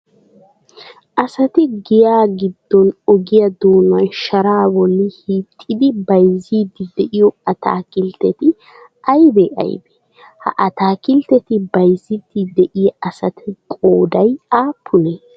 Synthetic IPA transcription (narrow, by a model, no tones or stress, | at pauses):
ʔɐsɐt̪ɪɡɪjaːɡɪd̪ːɔnɔɡɪjɐd̪oːnɐnʃɐɾaːbɔlːɪhiːt̪ʼːɪd̪ɪbɐjzid̪ːɪd̪ɛʔɪjɔɐt̪ʰa̰ːkɪlt̪ːɛt̪ɪ | ʔɐjbɛʔɐ̰jbe̥ | hɐ̰ʔɐt̪aːkɪlt̪ɛt̪ɪbɐjzid̪ɪd̪ɛʔɪjɐʔɐsɐt̪ʰɪkʼoːd̪ɐjaːpʰːʊneː